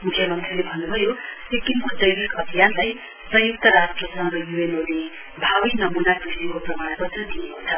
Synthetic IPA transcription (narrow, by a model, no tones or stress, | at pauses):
mukʰjʌmʌnt̪rilebʱʌnːubʱʌjo | ekinkod̪ʌjbikʌbʱijanlaj | sʌ̃juk̚t̪ʌɾasʈrʌsʌŋɡʌjuenod̪i | bʱawinʌmunakisiɾikoprʌmarpʌt̪rʌd̪ijekot͡sʰʌ